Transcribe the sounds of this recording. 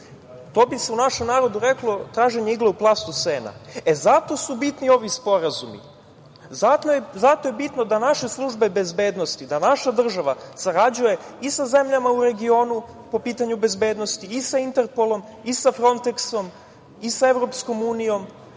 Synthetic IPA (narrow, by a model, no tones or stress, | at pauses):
t̪o̞ːbise̞unaʃe̞mnaːɾo̞d̪uɾe̞klˠo̞t̪ɾaːʒe̞ɲeiɡleuplˠast̪useːna̰ezat̪o̞subit̪nio̞ʋispo̞ɾazumḭ | zazat̪ojebit̪no̞d̪anaʃe̞slˠuʒbe̞be̞zbe̞ːd̪nost̪id̪anaʃad̪r̩ʒaʋasaɾad͡ʑuje̞ | isaze̞mʎamauɾe̞ɡio̞ːnu | po̞piːt̪aɲube̞zbeːd̪no̞st̪iːsaint̪eɾpo̞lˠo̞m | isafɾo̞nt̪ekso̞m | isaevɾo̞psko̞muːnijo̞m